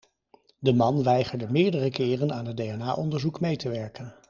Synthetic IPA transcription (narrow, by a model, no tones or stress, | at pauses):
dəmɑnʋɛjχəɹdəmɪːɹdərəkɪːrənaːnɦət̚dejɛnaːʔɔndəɹzukmejtəʋɛɹkən